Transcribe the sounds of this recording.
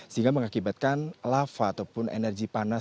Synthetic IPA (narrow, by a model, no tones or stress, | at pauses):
səɦiŋɡaməŋakibat̪̚kanlafaːt̪awpʊnḛnɛrɡipana